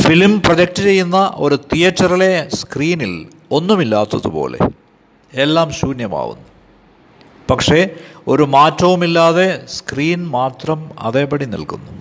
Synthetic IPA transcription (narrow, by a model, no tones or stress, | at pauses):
filmprɐd͡ʑɐk̚ʈɐt͡ɕe̞jːunːɐʔo̞ɾut̪ijɐtːɐrile̞skriːnil | o̞nːumilːaːt̪ːɐðṵpo̞̰ːle̞̰ | elːaːmɕuːnjɐma̰ːʋṵnːu | pɐkʂe̞o̞ɾumaːtːɐʋumilːaːðe̞skriːnmaːt̪rɐmɐ̰ðeːpɐɽinḭlkunːu